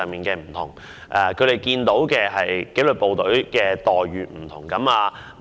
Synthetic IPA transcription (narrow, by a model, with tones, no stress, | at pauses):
miː˨nkɛː˧m̩˨˩t̪ʰʊ˨˩ŋ | ʔɛː˨˧kʰɵ˨˧tɾe˨˩jkiː˧nt̪o˨˥wkɛː˧ɦɐ˨jke˨˥lɵ˨˧t̚po˨˧wt̪ɵ˨˥ɥkɛː˧t̪ɔː˨jɥyː˨˧m̩˨˩t̪ʰʊ˨˩ŋkɐ˨˥maː˧